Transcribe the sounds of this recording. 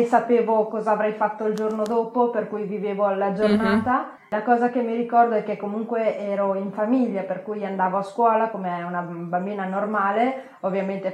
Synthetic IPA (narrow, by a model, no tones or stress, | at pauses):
sapeːvokɔːzaːvɾɛjfat̪ːoild͡ʒornod̪oːpoperkujviveːvoalːad͡ʒornaːt̪a | lakɔːzakemːiɾikɔrd̪oɛkːekːomuŋkweʔɛːɾoiɱfamiʎːaperkujand̪aːvoaskwɔːlakomeɛunabambiːnanormaːle | ovːjament̪e